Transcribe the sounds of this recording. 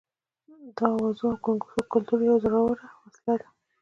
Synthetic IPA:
d̪ɑwazoawkoŋɡusokʊlt̪uɾjawzaɽawəɾawaslad̪a

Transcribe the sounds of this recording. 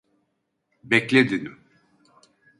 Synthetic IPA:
bɛclʲed̪inim

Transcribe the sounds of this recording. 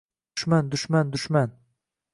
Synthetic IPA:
ʃmand̪ʊʃmand̪ʊʃman

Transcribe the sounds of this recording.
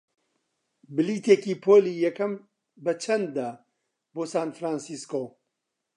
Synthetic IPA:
bɨliːt̪ʰeːkiːpʰoːliːjɛkɐm | bɐt͡ʃʰɐnd̪ːaː | boːsaːnfɾaːnsiːskoː

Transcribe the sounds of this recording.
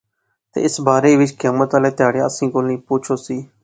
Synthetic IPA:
t̪ḛːɪsbaːɾeːʋɪt͡ʃkeːmət̪aːleːt̪ɪaːɽjã̰ːəsĩːkoːlnĩːpʊːt͡ʃʰoːsiː

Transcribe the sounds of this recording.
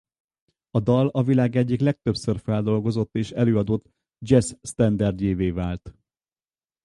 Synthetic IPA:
ɒd̪ɒlɒvilaːɡɛɟːiklɛk̚t̪øpsørfɛld̪o̞lɡo̞zo̞t̪ːeːʃɛløːɒd̪ot̪ | d͡ʒɛsːt̪ɛnd̪ɛrd̪jeːveːvaːlt̪

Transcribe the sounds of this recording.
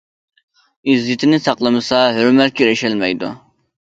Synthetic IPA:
izːɪt̪ʰɪnɪsɑqlˠəmɨsɑɦøɾmɛt̪̚kʰʲyɾɛʃɛlmɛ̰jd̪ṵ

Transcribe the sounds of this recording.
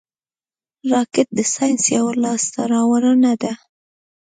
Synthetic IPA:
ɾɑkɪt̪̚d̪əsɑjnsjawalɑst̪aɾɑwaɾənad̪a

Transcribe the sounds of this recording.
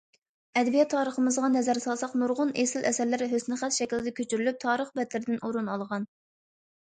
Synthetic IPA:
ɛd̪bijɛt̪ʰːɑːɾəχəmɨzʁɑnɛzæɾsɑlˠsɑqmuɾʁʊnesɪlʔɛsæɾlɪɾɦøsnɪχæt̪ʃɛkʲlɪd̪ɛkʲʰøt͡ʃʰyɾylyp̚t̪ʰɑːɾəχbɛd̪lɪɾɪd̪ɪnʔoɾunɑlˠʁɑn

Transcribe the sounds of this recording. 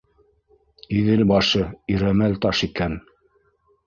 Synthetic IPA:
iðɘlbɑʃɤiɾæmælt̪ɑʃikæn

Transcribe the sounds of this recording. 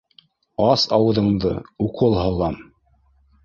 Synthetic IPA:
ɑsɑwɤ̆ðɤ̆ɴd̪ɤ̰uqʰɤlˠhɤ̆lˠɑm

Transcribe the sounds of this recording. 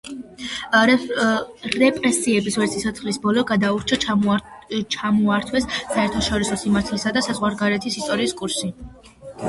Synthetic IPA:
ɾɛpʼɾɛsiɛbiswɛɾt̪sʰisʰɔt̪sʰχlisbɔlɔɡad̪auɾt͡ʃʰa | t͡ʃʰamuaɾt̪ʰwɛsːaɛɾt̪ʰaʃɔɾisɔsimaɾt̪ʰlsad̪asazʁwaɾɡaɾɛt̪ʰisist̪ʼɔɾiːskʼuɾsi

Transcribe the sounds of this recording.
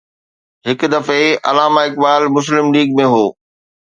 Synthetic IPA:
ɦɪk̆d̪ɐfeɐ̰laːmaɪk̚baːlmʊs̬lɪmliːɡmẽɦoː

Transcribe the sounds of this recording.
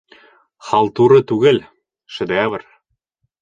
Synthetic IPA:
χɑlˠt̪uɾɤ̆t̪uɣɘ̆lʲ | ʃɘ̆d̪eæβɘ̆r

